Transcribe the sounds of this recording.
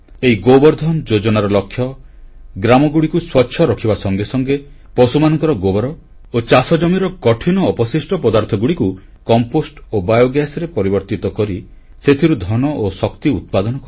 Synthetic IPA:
eiɡobɔɾd̪ʱɔmd͡ʒod͡ʒɔnaɾɔlɔkʰːjɔ | ɡɾamɔɡuɽikuswɔtːʃʰɔɾɔkʰibasɔŋɡesɔŋɡe | pɔsumanɔŋkɔɾɔɡobɔɾɔ | ot͡ʃasɔd͡ʒɔmiɾɔkɔʈʰinɔːpɔsisʈɔpɔd̪aɾt̪ʰɔɡuɽiku | kɔmposʈobajoɡjasɾepɔɾibɔɾt̪it̪ɔkɔɾi | set̪ʰiɾud̪ʱɔnɔʔosɔkt̪iut̪̚pad̪ɔnɔkɔ

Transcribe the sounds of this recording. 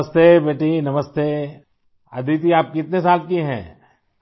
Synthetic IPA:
əst̪eːbeːʈinɐməst̪eː | ɐ̰d̪ʱit̪̬iaːp̚kɪt̪nesaːlkiɦɛ̰̃ː

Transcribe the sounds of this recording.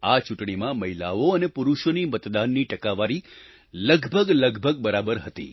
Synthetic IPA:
at͡ʃʊʈɳ̃imãməɦila̰oənepuɾuʃonimət̪d̪anːiʈəkaʋaɾi | ləɡbʱəɡləɡbʱəɡ̚bəɾabəɾɦət̪ḭ

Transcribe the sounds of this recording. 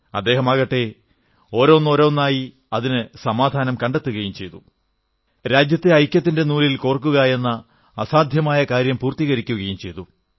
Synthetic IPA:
ɐ̰d̪ːe̞ːɦɐmɐɣɐʈːe̞ | o̞ːɾo̞ːnːo̞ːɾoːnːaːji | ɐðinɨsɐmaːd̪ʱaːnɐmkɐɳɖe̞t̪ːuɣɐjumt͡ɕe̞jt̪u | ɾaːd͡ʑjɐt̪ːeɐjkʲːjɐt̪ːinde̞nuːlilkoːrk̬ːuɣɐe̞nːɐː | saːd̪ʱjɐmaːjɐkaːɾjɐmpuːrt̪iɣɐɾikʲːuɣɐjumt͡ɕe̞jt̪u

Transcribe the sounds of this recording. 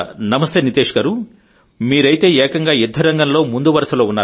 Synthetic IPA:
nɐmɐst̪eːnit̪eːʂɐkɐɾu | miːɾɐjit̪e̞ːɛːkɐŋɡaːjud̪ʱːɐɾɐŋɡɐnlo̞ːmund̪uʋɐɾɐsɐloːunːaː

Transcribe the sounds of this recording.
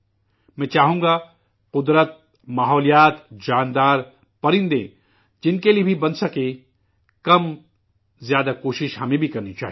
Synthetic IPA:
mɛ̃ːt͡ʃaːɦũŋɡa | qʊd̪ɾət̪̚ | maːɦɔːlijaːt̪d͡ʒaːnd̪aːɾ | pɐɾɪ̃nd̪ḛ̃ | d͡ʒɪnkeliebʱibɐnsɐkẽ | kɐm | zjaːd̪akoːʃɪʃɦɐmẽbʱikɐɾnit͡ʃaːɦ

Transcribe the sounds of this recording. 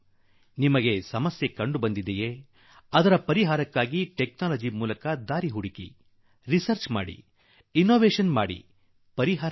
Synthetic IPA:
nimɐɡe̞sɐmɐsje̞kɐɳɖubɐnd̪id̪eje | ɐd̪ɐɾɐpɐɾiɦaːɾɐkːaːɡiʈe̞knaːlɐd͡ʒimuːlɐkɐd̪aːɾiɦuɽikḭ | ɾisɐɾt͡ʃma̰ːɽḭ | inːoːʋeːʂɐnma̰ːɽḭ | pɐɾiɦaːɾ

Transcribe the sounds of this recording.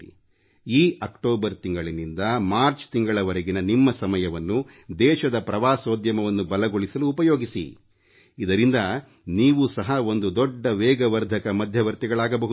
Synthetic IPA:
i | iːʔɐkʈoːbɐɾt̪iŋɡɐɭinind̪ɐmaːɾt͡ʃt̪iŋɡɐɭɐʋɐɾɐɡinɐnimːɐsɐmɐjɐʋɐnːu | d̪ɛːʃɐd̪ɐpɾɐʋaːsoːd̪jɐmɐʋɐnːubɐlɐɡoɭisɐluːpɐjo̞ːɡisḭ | id̪ɐɾind̪ɐ | niːʋusɐɦɐo̞nd̪ud̪ɔɖːɐʋɛːɡɐʋɐɾd̪ʱɐkɐmɐd̪ʱjɐʋɐɾt̪iɡɐɭaːɡɐbɐɦu

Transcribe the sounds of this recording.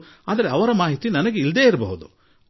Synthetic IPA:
aːd̪ɐɾeɐʋɐɾɐmaːɦit̪inɐnɐɡe̞ild̪e̞ːiɾbɐ̰ɦud̪u

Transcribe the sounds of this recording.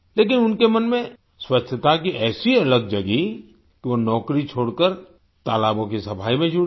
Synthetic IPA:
leːkɪnʊnkemɐnmẽ | swɐt͡ʃʰət̪akiʔɛːsiɐləɡ̚d͡ʒɐɡi | kiʋonɔːkɾit͡ʃʰoːɽkəɾ | t̪aːlaːbõkisɐpʰaːimẽd͡ʒʱʊ

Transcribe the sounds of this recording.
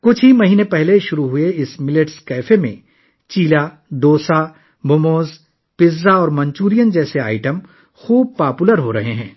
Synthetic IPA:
kʊt͡ʃʰɦimɐɦiːnẽpɛɦleʃʊɾuɦʊeɪsmɪleʈskɛːfemḛ̃ | t͡ʃiːla | ɖ̪oːsa | bʱʊmoːz | pɪzːaɔːɾmɐ̃ɲt͡ʃuːɾijənd͡ʒɛːsea̰ːɪʈəm | xuːb̚paːpuləɾɦoɾɐɦeɦɛ̰̃ː

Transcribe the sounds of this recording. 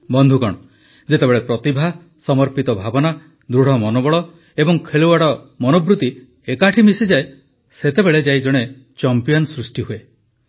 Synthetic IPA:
bɔnd̪ʱukɔɽ̃ɔ | d͡ʒet̪ebeɭepɾɔt̪ibʱa | sɔmɔɾpit̪ɔbʱabɔna | d̪ɾuɽ̤ɔmɔnobɔɭɔ | ebɔŋkʰeɭuwaɽɔ | mɔnobɾut̪i | ekaʈʰimisid͡ʒae | set̪ebeɭed͡ʒajd͡ʒɔɽ̃e | t͡ʃɔmpijɔnsɾusʈiɦue

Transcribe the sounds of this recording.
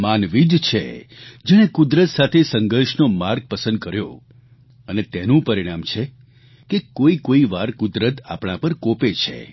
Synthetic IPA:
manʋid̪t͡ʃʰḛd͡ʒɛɽ̃ekʊd̪ɾət̪sat̪ʰesəŋɡəɾʃnomaɾɡ̚pəsə̃nd̪̚kəɾjo̰ | ənet̪enũpəɾiɽ̃amt͡ʃʰe | kekoikoiʋaɾkʊd̪ɾət̪a̰pɳ̃ãpəɾkopet͡ʃʰḛ

